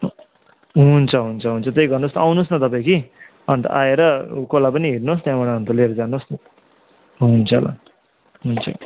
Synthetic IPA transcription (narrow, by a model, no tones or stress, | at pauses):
ɦunt͡sʰʌɦunt͡sʰʌɦunt͡sʰʌt̪ejɡʌrnosawnosnʌt̪ʌpaĩki | ʌnt̪ʌ̰ʔaeɾʌkolapʌniɦirnost̪jãbaɽaɦʌnt̪ʌleɾd͡zanos | ɦunt͡sʰʌla̰ | ɦunt͡sʰʌ̰